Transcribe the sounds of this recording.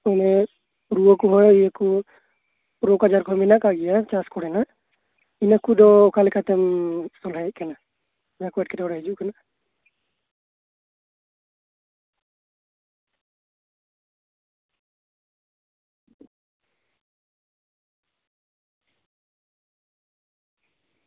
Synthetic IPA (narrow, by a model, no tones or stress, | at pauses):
ɔnɛ | ɾuɔkɔɦɔjijaku | pɾokad͡ʒaɾkɔɦɔmɛnakaɡijat͡ʃaskɔɽɛna | inakud̪ɔːkalɛkʰat̪ɛmsɔlɦakana | makuɛʈkɛdɔɽɛɦɛd͡ʒuʔkana